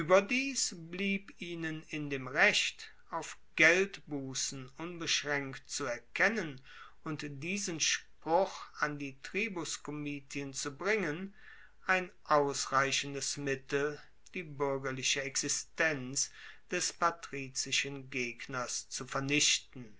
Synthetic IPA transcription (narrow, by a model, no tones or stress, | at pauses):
ʔyːbɐdiːsbliːpiːnənɪndeːmʁɛçt | ʔaʊfɡ̥ɛltb̥uːsn̩ʔʊnbəʃʁɛŋktt͡suɛɐkʰɛnən | ʊntd̥iːzənʃpʁ̥ʊχandiːtʁ̥iːbʊskʰomiːtʰiənt͡subʁɪŋən | ʔaɪnʔaʊsʁaɪɕən̩dəsmɪtl̩ | d̥iːbʏɐɡɐlɪʃəɛksɪstɛnt͡sd̥ɛspatʁ̥iːt͡sɪʃənɡeːɡnɐst͡sufɛɐnɪʃtn̩